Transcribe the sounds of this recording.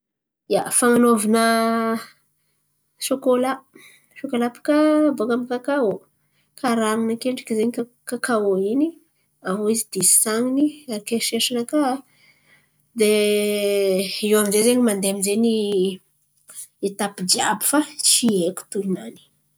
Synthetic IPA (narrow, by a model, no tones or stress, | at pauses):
ijafaŋanovanə | ʃokola | ʃokolapḁkabokamikakao | kʰaɾaŋunəkeɳɖ͡ʐḁkizeɲikakakaoini | aɦoizid̪̥esaŋiniakeʃeʃanəka | d̪e | ewamizezeɲimand̪eamizeni | et̪apid͡ʒiabifat͡ʃieku̥t̪uinani̥